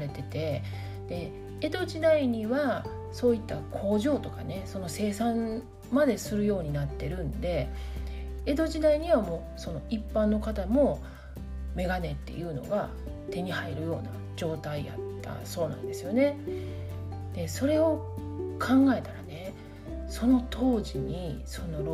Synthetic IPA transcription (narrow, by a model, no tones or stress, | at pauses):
ɾe̞t̪e̞t̪e̞ | d̪̥e̞ | e̞d̪o̞ʑid̪aiɲ̟iβa | so̞ːit̪ːakʰo̞ːʑo̞ːt̪o̞kane̞so̞no̞se̞ːsãn | mad̪e̞sɨɾɯ̟jo̞ːɲ̟inat̪ːe̞ɾɯ̟̃nd̪e̞ | ed̪o̞ʑid̪aiɲ̟iβamo̞ː | so̞no̞ipːãnːo̞kat̪amo̞ | me̞ɡane̞t̪ːḛjɯ̟ːno̞̰ɡa | t̪e̞ɲ̟ihaiɾɯ̟jo̞ːna̰ | d͡ʑo̞ːt̪aija̰t̪ːa̰so̞ːnã̰nd̪e̞sɨjo̞ne̞ | d̪̥e̞so̞ɾe̞o̞kʰãŋɡae̞t̪aɾane̞ | so̞no̞t̪ʰo̞ːʑiɲ̟iso̞no̞ɾ